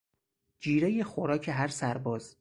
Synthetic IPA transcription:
d͡ʒiːɾejexoɾɒːcʰeɦæɾsæɾbɒːz

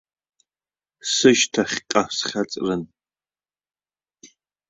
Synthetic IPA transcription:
sɨʒtʰaχʲqʼasχʲat͡sʼrɨn

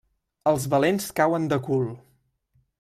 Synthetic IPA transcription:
əlˠzβəlenskawənd̪əkulˠ

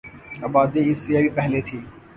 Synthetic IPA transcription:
ɐbaːd̪eɪsːeabipɛɦlet̪ʰiː

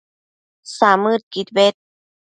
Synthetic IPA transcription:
samɯt̪̚kit̪̚bet̪̚

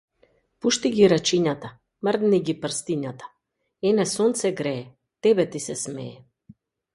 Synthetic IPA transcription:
puʃt̪iɡiɾat͡ʃiɲat̪a | məɾd̪niɡipr̩st̪iɲat̪ḁ | ɛnɛsɔnt̪sɛɡɾɛː | t̪ɛbɛt̪isɛsmɛ̰ɛ

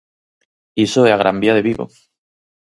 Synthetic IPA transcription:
isoeaɣ̞ɾʔa̰mbiaðeβiβo̰

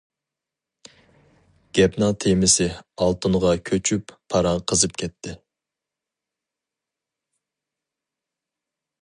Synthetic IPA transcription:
ɡ̥ʲɛpnɑt̪ʰemɪsɪɑlˠt̪uɴʁɑkʲʰøt͡ʃʰypʰːɑɾɑŋqʰəzɨp̚kʲʰɛpt̪ʰːɪ

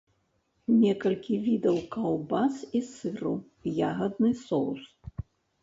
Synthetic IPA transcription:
nʲɛkɐlʲkʲivʲid̪ɐwkɐwbasisɨɾṵ | jaɣɐd̪̚nɨsɔws

